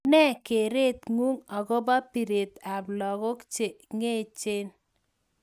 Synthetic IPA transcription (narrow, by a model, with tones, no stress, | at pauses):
nɛ˦ke˨ɾe˦t̪ŋu˦ŋɔ˨ɡɔ˦ba˦pi˨ɾe˨t̪a˨blɔ˨ɡʊ˦kt͡ʃe˨ŋe˦t͡ʃe˦n